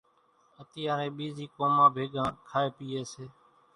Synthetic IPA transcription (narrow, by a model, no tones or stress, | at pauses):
ət̪iːãːɾẽːɓiːziːkoːmãːbʱeːɡãːkʰaːeːpiːeːseː